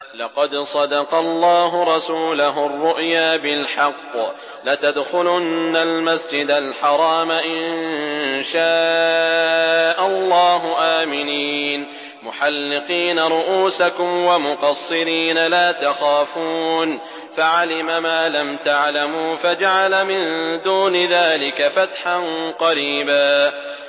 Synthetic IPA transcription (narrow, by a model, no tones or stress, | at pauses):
lɑqɑd̪sˤɑd̪ɑqɑlˤːɑːɦʊɾˤɑsuːlaɦʊrˤːʊʔjaːbɪlħɑqː | lat̪ad̪xʊlʊnːalmasd͡ʒɪd̪alħɑɾˤɑːmaʔɪnnʃaː | ʔalˤːɑːɦʊʔaːmɪniːn | mʊħalːɪqiːnaɾˤʊʔuːsakʊmwamʊqɑsˤːɨɾiːnalaːt̪axaːfuːn | faʕalɪmamaːlamt̪aʕlamuːfad͡ʒaʕalamɪnd̪uːnɪðaːlɪkafat̪ħanqɑɾiːbaː